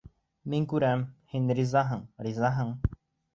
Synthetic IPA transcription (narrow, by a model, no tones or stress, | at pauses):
miŋkʉɾæmhinɾizɑɦɤɴɾizɑɦɤɴ